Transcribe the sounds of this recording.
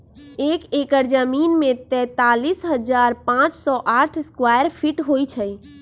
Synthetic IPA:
ekekəɾd͡ʒəminmet̪ɛ̃t̪alisɦəd͡ʒaɾpãt͡ʃsɔʔaʈʰskwajəɾpʰiʈɦojt͡ʃʰə

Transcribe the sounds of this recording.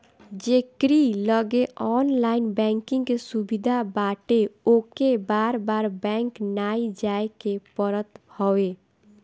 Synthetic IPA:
d͡ʒekɾiləɡeɔnlainbɛ̃ŋkĩŋɡkesubid̪ʱabaʈeokebaɾbaɾbɛ̃ŋknaid͡ʒaekepəɾət̪hɔwe

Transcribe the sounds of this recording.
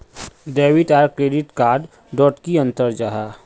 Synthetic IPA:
ɖeːwɪʈaːɾkɾeːɖɪʈkaːɾɖ | ɖɔːʈkiɐ̃nt̪əɾd͡ʒaːɦaː

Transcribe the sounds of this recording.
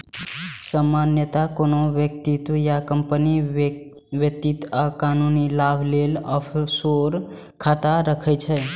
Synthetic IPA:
səmanjət̪akonoʋjək̚t̪it̪wəjakəmpəni | ʋjək̚t̪it̪akanunilabʱlelɔpʰsoɾ | kʰat̪aɾəkʰɛt͡ʃʰɛ

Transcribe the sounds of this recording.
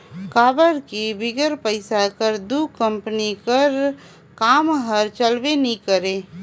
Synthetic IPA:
kaːbəɾkibɪɡəɾpəɪsakəɾd̪ukəmpənikəɾ | kaːmɦəɾt͡ʃəlbenikəɾe

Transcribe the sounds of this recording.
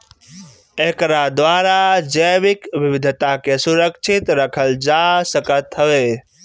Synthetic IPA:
eɦkɾad̪ʋaːɾad͡ʒəʋɪkʋɪʋɪd̪ʱt̪akesʊɾəkʃʰɪt̪ɾəkʰəld͡ʒasəkət̪ɦəʋeː

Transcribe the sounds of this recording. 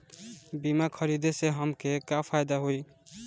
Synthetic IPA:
bimakʰəɾid̪eseɦəmkekapʰajd̪aɦoj

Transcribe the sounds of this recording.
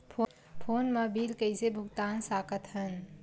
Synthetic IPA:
pʰo | pʰoːnmabiːɾkəɪsebʱʊɡt̪aːnsaːkət̪ɦən

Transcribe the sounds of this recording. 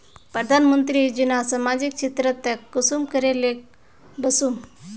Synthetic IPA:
pɾəd̪ʱanmənt̪ɾiːd͡ʑinasəmad͡ʑik̚t͡ɕit̪ɾət̪ːəkːusumkəɾelek | bəsum

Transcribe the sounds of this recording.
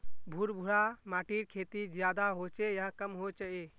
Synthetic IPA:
bʱuɾbʱuɾamaʈiɾkʰet̪id͡ʒjad̪aɦot͡ʃɛjaɦkəmɦot͡ʃaʔɛ

